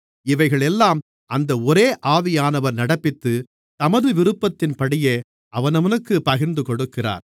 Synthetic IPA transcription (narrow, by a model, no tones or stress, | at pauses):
ɪʋɐɪɣɐɭɛlːaːm | ʔɐnd̪ɐɔɾeːʔaːʋɪjaːnɐʋɐɾnɐɽɐpːɪt̪ːɯ | t̪ɐmɐðɯʋɪɾɯpːɐt̪ːɪnpɐɽɪjeː | ʔɐʋɐnɐʋɐnɯkːɯpɐɣɪɾnd̪ɯkɔɽɯkːɪra̰ːɾ